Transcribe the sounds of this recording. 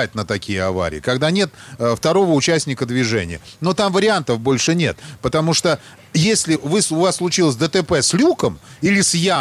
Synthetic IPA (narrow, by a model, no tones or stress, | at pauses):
t̚ʲnət̪ɐkʲijəɐva̰ɾʲɪ̰ːɪkɐɡd̪anʲe̞t̪ft̪ɐɾo̞vəʊt͡ɕæsʲnʲɪkəd̪vʲɪʐɛ̰nʲɪ̰jəno̞t̪amvəɾʲɪant̪əfbo̞lʲʂɨnʲet̪pət̪ɐmuʂt̪o | jesʲlʲɪvɨsʊvasslˠʊt͡ɕilˠəs̬ʲd̪ət̪əpɛsʲlʲukəmilʲɪsʲja